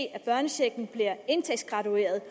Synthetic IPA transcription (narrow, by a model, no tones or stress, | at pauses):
æb̥ɶɐnəɕeɡ̥n̩b̥liɐe̝nt͡sʰeɡ̥sɡ̥ʁɑ̈t͡sue̝̰ːɐð̞ˠ